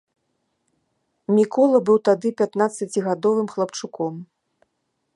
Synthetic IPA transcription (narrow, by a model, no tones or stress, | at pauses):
mʲikɔlˠɐbɨwt̪ad̪ɨpʲat̪nat̪sːɐt͡sʲiɣad̪ɔvɨmxlˠɐpt͡ʂukɔm